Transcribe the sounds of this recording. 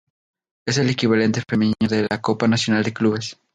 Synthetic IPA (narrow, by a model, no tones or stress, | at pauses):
e̞se̞lekiβ̞ale̞nt̪e̞fe̞mẽnɲoðelakopanasjo̞nald̪ekluβe̞s